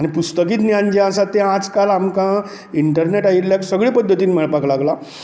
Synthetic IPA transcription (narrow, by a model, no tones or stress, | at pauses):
aɽ̃ipust̪ək̬iːt̪njand͡ʑeãsat̪ːeãd͡zkalamkã | iɳʈəɾneʈaiɾljaksəɡɭipəd̪ʱːət̪iːnmɛɭpaklaɡla